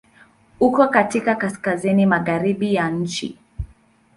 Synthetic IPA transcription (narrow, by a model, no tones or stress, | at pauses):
ukɔkatikakaskazinimaɣaɾiɓijan̩t͡ʃḭ